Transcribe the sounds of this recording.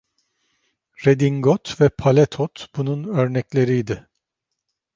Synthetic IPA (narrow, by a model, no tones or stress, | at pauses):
ɾed̪iŋɡɔt̪vɛpʰalʲɛt̪ʰot̪b̥ununø̞ɾnɛclʲe̞ɾijd̪ɪ